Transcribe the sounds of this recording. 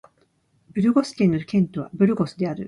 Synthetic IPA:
bɯ̟ɾɯ̟ɡo̞sɨ̥kʲẽ̞nːokʲẽ̞nt̪o̞β̞a̰bɯ̟ɾɯ̟ɡo̞sɨd̪e̞aɾɯ̟

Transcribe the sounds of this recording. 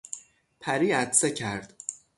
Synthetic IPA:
pʰæɾiːæt̪secʰæɾd̪̥

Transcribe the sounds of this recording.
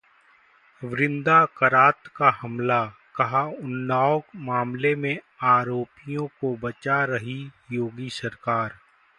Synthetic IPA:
ʋɾɪ̃nd̪akɐɾaːt̪kaɦɐmlakɐɦaʊnːaːʊkmaːmlemẽ | aːɾoːpijõkobɐt͡ʃaɾɐɦijoːɡisɐɾkaːɾ

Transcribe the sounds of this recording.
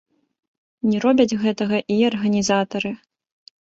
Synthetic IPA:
nʲɛɾɔbʲɐd͡zʲɣɛt̪ɐɣɐʔiɐrɣɐnʲizat̪ɐɾɨ

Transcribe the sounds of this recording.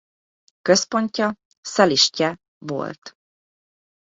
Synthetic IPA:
kø̞spo̞ɲcɒ | sɛliʃcɛ | vo̞̰lt̪

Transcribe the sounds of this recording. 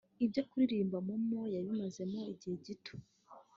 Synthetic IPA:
ib̚ɟokuɾiɾiːmbamumojaβimaze̞mo̞iɟihe̞ɟitʰo̥

